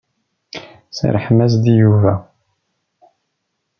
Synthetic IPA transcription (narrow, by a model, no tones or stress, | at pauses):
sə̰ɾħmæzd̪ijuvæ